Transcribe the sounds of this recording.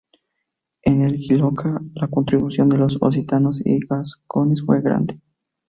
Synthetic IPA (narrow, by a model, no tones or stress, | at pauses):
enelkilokʰalako̞nt̪ɾiβusjo̞nd̪elo̞so̰s̬it̪ano̞sḭɣasko̞ne̞sfwe̞ɣɾa̰nd̪e̥